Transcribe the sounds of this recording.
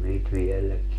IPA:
niːt ʋielˑæki

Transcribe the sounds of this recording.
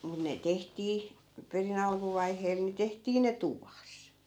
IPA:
mun ne tehtiː perin ɑlkuʋɑiheːl ni tehtiː ne tuʋɑs

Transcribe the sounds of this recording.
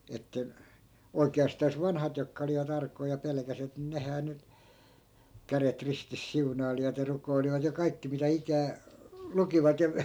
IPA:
etːæ oikeɑstɑːs ʋɑnhɑt jokːɑ oliʋɑt ɑrkˑoi jɑ pelĕkæsiʋæt ni nehæː ny kæret ristis siunɑiliʋɑt jɑ rukoiliʋɑt jɑ kɑikːi mitæ ikæː lukiʋɑt jɑ

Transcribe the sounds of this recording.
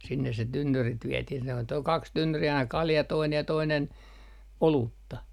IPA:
sinːes se tynːyrit ʋiɛtih se on toi ol kɑks tynːyri ɑinɑ kɑljɑ toinej jɑ toinen oluːtːɑ

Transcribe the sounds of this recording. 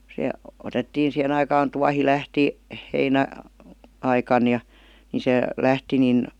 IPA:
se otetːiːn̞ sihen ɑikɑːn tuɑhi læhti heinæ ɑikɑn jɑ ni se læhti nin

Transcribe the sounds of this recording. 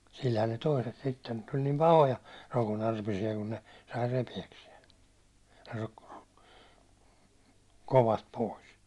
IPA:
silhæn ne toiset sitːen tulʲ nim pɑhojɑ rokonɑrpisiɑ kun ne sɑi repiæksiɛn̞ ro̥kːo̥ ro̥kːo̥ koʋɑst pois

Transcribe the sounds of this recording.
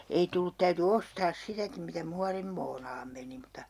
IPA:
ei tulːut tæyty ostɑːs sitækim mitæ muɑrimːoːnɑːm meni mutˑɑ

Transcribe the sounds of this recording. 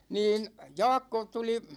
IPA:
niːn jɑːkːo tuli

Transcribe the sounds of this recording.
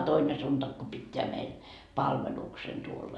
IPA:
toine suntɑk ko pitːeæ meil pɑlʋeluksen tuolːɑ

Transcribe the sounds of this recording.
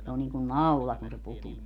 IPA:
se on niːŋkun nɑulɑ kun se putuː

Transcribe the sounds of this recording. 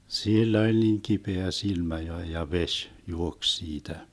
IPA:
silː olʲ niːŋ kipeæ silmæ jo jɑ ʋeʃ juoks siːtæ

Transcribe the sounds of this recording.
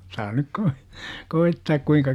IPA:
sɑː nyk koi koitːɑːk kuiŋkɑ

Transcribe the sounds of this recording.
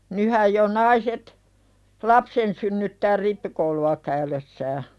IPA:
nyhæj jo nɑiset lɑpsen synːytːæː ripːikouluɑ kæylesːæː

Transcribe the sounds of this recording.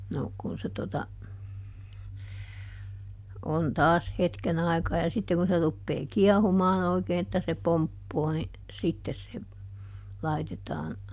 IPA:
no kun se totɑ on tɑːs hetken ɑi̯kɑː jɑ sitːe kun se rupːeː kiɛhumɑːn oikeːn etːæ se pompːoː ni sitːes se lɑitetɑːn

